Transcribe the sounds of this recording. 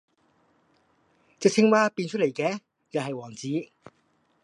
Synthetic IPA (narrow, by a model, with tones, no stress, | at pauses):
t͡sɪ˨k̚t͡sʰɪ˥ŋwaː˥piː˧nt͡ʃʰt̚le˨˩jkɛː˨˧ | jɐ˨˧ɦɐ˨jwɔː˨˩ŋt͡siː˨˥